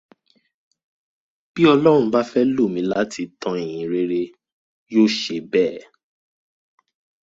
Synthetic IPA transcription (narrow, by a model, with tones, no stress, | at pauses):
b̥i˦ɔ˧lɔ˦ɾ̃ũ˧ba˦fɛ˦lo˦˨mĩ˨˦la˦ti˧tã˧e˨ɦĩ˨ɾe˦˧ɾe˧ | joː˦˨ʃe˧bɛː˦˨